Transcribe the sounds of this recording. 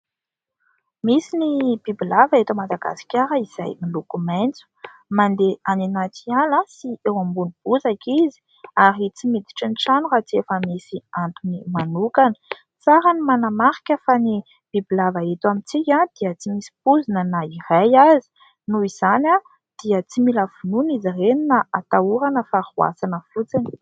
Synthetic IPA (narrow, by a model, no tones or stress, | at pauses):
misinib̥ibilavaet̪amad̪aɡa̰si̥kʲaɾəiz̥a̰jmilukumant͡su̥ | mand̪eaninat͡sialasiewambunib̥uzakizi̥ | aɾit͡simid̪i̥ʈ͡ʂinʈ͡ʂanuɾat͡siefəmisiant̪unimanukanə | t͡saɾanimanamaɾi̥kʲəfani | b̥ibilavaet̪wamint͡sikʲãd̪̥iət͡simisi̥puzinənaiɾajazi̥ | nuiz̥ana | d̪̥iət͡similav̥ununizireninaat̪auɾanəfaɾua̰sanəfut͡sini̥